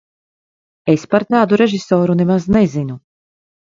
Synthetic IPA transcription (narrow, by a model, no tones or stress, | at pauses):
espaɾt̪aːd̪uɾeʒisɔːɾunemaznezinu